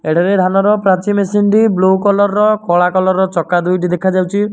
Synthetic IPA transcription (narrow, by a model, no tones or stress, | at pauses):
eɽaɾed̪ʱanɔɾɔpɾat͡ʃimesinʈiblokɔlɔɾːɔkɔɭakɔlɔɾːɔt͡ʃɔkad̪ujʈid̪ekʰad͡ʒawt͡ʃʰi